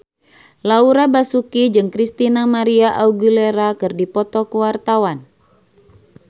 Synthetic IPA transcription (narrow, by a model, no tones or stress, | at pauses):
lauɾabasukid͡ʒɨŋkɾist̪inamaɾiaʔauɡuleɾakɨrdipɔt̪ɔkuwart̪awan